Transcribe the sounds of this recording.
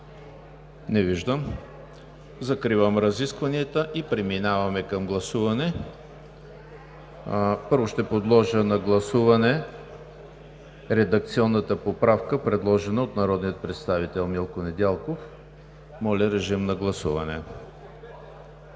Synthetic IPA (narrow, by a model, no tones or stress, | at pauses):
nɛviʒd̪əm | zɐkɾivəmɾɐziskvɐniɛt̪əʔipɾɛminavɐmɛkɐmɡlˠɐsuvɐnɛ | pɤɾvʊʃt̪ɛpod̪lˠɔʒənɐɡlˠɐsuvɐnɛ | ɾɛd̪ɐk̚t̪siɔnːət̪əpopɾafkəpɾɛd̪lˠɔʒɛnəot̪nɐɾɔd̪nijət̪̚pɾɛt̪st̪avit̪ɛlˠmilˠkonɛd̪ʲalˠkof | mɔlʲɐɾɛʒimnɐɡlˠɐsuvɐnɛ̰